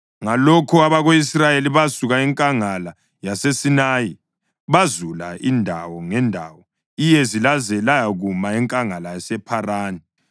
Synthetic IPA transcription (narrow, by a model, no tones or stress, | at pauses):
ŋalɔkʰɔaβaɣoisrajeliβasuɣaiŋkʼaŋala | jasesinaji | βazulaindʱawɔŋɛndʱa̰wɔ | ijɛzilazɛlajaɣumaɛŋkʼaŋalajasɛpʰaraːni